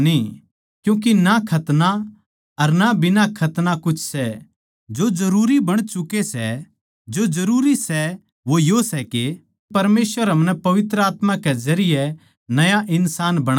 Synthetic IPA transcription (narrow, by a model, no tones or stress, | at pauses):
nĩ | kjũːk̬inakʰɐt̪na | ɐɾnabɪnakʰɐt̪nakʊt͡ʃʰsɛ | d͡ʒod͡ʒɐɾuːɾibɐɽ̃t͡ʃʊkesɛ̰ | d͡ʒod͡ʒɐɾuːɾisɛ | ʋojosɛke | pɐɾmeːsʋəɾɦɐmnɛpɐʋɪt̪ɾəaːt̪mãkɛzɐɾɪjɛ | nɐjaʔɪnsaːnbɐɽ̃